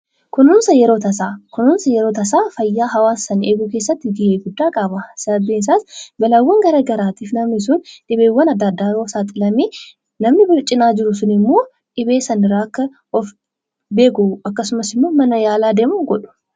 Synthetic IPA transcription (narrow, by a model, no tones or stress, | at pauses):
kʊnuːnsɐjɛɾo̞ːt̪ɐsaːkʊnunsɐjɛɾoːt̪ɐsaːfɐjːaːɦɐwaːsːɐneːɡʊke̞ːsːɐt̪ːɪɡɪheːɡʊd̪ːaːkʼɐbɐsɐbins̬aːsbɐlɐwːɐŋɡɐɾɐɡɐɾaːt̪iːfnɐmɪs̬ʊnᶑɪbeːwːɐnɐd̪ːɐd̪ːaːɾoːsaːt̪ʼɪlɐmeː | nɐmnɪbɪlt͡ʃʼːɪnaːd͡ʒɪɾʊsʊnɪmːo̞ː | ᶑɪbeːsɐnɪɾaːkːɐ | ɔf | be̞ːkʊɐkːɐsʊmɐsɪmːoːmɐnɐjaːlaːd̪eːmuŋɡɔᶑʊ̥